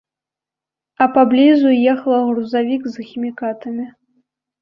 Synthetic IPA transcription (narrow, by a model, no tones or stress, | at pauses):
ɐpablʲizujɛxɐlˠɐɣruzavʲikzxʲimʲikat̪ɐmʲi